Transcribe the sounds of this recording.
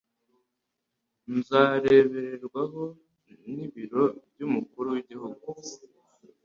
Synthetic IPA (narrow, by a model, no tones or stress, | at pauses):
nzaːɾe̞βe̞ɾe̞ɾɡwaɦo̞ | niβiɾo̞bɟumukuɾuwiɟihuɡu